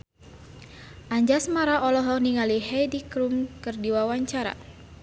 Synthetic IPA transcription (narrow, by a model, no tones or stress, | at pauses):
ʔaɲd͡ʒasmaɾaʔɔlɔɦɔniŋaliɦɛdikɾumkɨrdiwawaɲt͡ʃaɾa̰